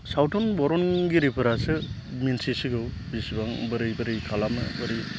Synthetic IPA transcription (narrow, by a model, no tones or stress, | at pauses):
sawtʰɔnbɔɾɔnɡiɾipʰɯɾasɯ | minsisiɡɯw | bisibaŋbɯɾɯjbɯɾɯjkʰalamɯ̰bɯɾi